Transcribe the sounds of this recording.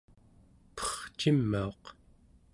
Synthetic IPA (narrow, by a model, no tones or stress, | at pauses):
pʌ̥χt͡ʃimːao̞q